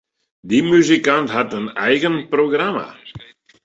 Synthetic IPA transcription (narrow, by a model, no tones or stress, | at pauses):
d̪imyzikanthatənɛjɣənproɡrama̰